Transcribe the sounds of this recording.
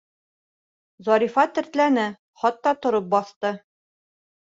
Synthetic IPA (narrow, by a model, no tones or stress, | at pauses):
zɒɾifɑt̪ɘ̆ɾt̪lænɘ | χɒt̪ːɒt̪ŏɾɤp̚bɒθt̪ɤ